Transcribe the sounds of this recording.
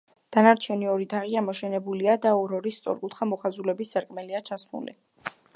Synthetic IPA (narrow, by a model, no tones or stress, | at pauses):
d̪̥anaɾt̪ʰiɔniɔɾid̪aʁiamɔʃɛnɛbuliad̪aɔɾɔɾist̪sʼɔ̰ɾkʼut̪χamɔχazulɛbisːaɾkʼmɛliat͡ʃʰasmṵlḭ